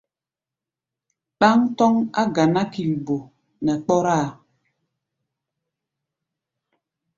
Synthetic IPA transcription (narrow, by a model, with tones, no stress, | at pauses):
ɗa˦ŋtɔ˦ŋa˦ɡa˨na˦ki˨lbo˨ | nɛ˨k͡pɔ˦ɾa˦˨